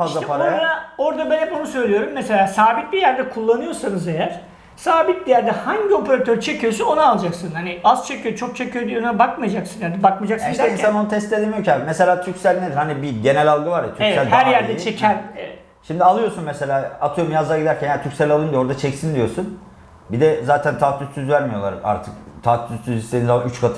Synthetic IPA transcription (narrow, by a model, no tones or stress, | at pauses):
fazlˠapaod̪ao̞ɾd̪abɛnɛponusø̞jlʲijo̞ɾumːese̞lʲaːsaːbit̪̚bʲijæɾd̪ɛkʰulˠːanɯjo̞sanɯzejæɾ̥ | saːbit̪̚lʲijæɾd̪ɛhaɲɟio̞pʰeɾat̪ʰøɾt͡ʃʰe̞cʰijo̞suno̞naːlˠad͡ʒaksɯnhaniaz̥t͡ʃʰe̞cʰijot͡ʃʰo̞k̚t͡ʃʰe̞cʰyjo̞d̪ijonabakmajad͡ʒaksɯnjanɛbakmid͡ʒaksɯneimæsanonut̪ʰɛst̪ed̪ʲemijocʰamese̞lʲaːt̪ʰycsælʲned̪iɾhanibiɟe̞nɛlʲalˠɡɯvaɾjat̪ʰyevsælʲhæɾjæɾd̪ɛt͡ʃt͡ʃʰecʰænevɛt̪ | ʃimd̪ialˠɯjosunmɛse̞lʲaːat̪ʰɯjoumjazˠaɡɟid̪æɾcʰænjæɾt̪ʰycʲsɛlʲalˠɯnd̪io̞ɾd̪at͡ʃʰɛcsind̪ijo̞sun | bid̪ɛzaːt̪ʰænt̪ʰaːt̪ʰyst̪ʰːyzvæɾmijolˠaɾa̰ka̰ɾt̪ʰɯkt̪ʰat̪yst̪ːyzist̪ʲːeinzaayt͡ʃkʰat̪ʰ